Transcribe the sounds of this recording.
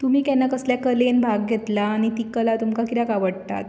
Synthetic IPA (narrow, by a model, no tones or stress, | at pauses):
t̪um̤iːkɛnːakəsljakəlenbʱaɡːʱet̪laːɽ̃it̪iːkəlat̪umkakiɾakaʋəɽt̪a̰t̪